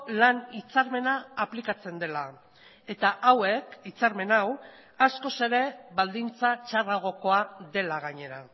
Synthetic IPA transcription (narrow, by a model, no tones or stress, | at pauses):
lanit͡saɾme̞naːplikat͡se̞nd̪e̞la | e̞t̪aʔawe̞kit͡saɾme̞naw | asko̞se̞ɾe̞βald̪int͡sat͡ʃaraɣ̞o̞ko̞aðe̞laɣaɲe̞ɾa